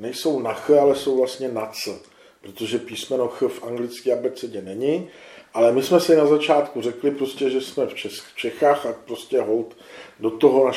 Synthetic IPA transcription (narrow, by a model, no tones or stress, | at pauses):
nɛjso̞wnaxalɛso̞wvlast̪ɲɛnat͡s | pɾot̪oʒɛpiːsmɛnoxfʔaŋɡlɪt͡skiːabɛt͡sɛɟɛnɛɲɪʔalɛmɪsmɛsɪnazat͡ʃaːt̪kur̝ɛklɪpɾo̞scɛʒɛsmɛft͡ʃɛt͡ʃɛxaːxapɾoscɛɦolt̪ | do̞t̪o̞ɦona